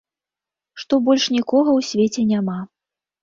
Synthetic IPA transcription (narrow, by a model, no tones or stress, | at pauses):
ʂt̪ɔbɔlʲʂnʲikɔɣɐwsʲvʲet͡sʲɛnʲama